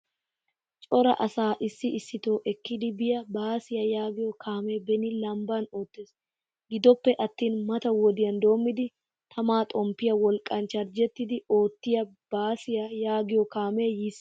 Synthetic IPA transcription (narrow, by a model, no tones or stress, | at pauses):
t͡ʃʼɔɾɐ̰ʔɐsaːʔɪsːɪʔːsːɪt̪o̞ːʔɛkːɪd̪ɪbɪjɐbaːsɪjɐjaːɡɪjɔkʰaːmeːbɛnɪlɐmbano̞ːt̪ːe̞ːs | ɡɪd̪ɔpːɛʔɐt̪ːiːnmɐt̪ɐwɔd̪ɪjɐnd̪o̞ːmːɪd̪ɪ | t̪ʰɐmaːt̪ʼɔmpːɪjɐwɔlkʼːɐnt͡ʃɐɾd͡ʒɛt̪ːɪd̪ɪo̞ːt̪ːɪjɐ | b̥aːsɪjɐjaːɡɪjɔkaːme̞jɪs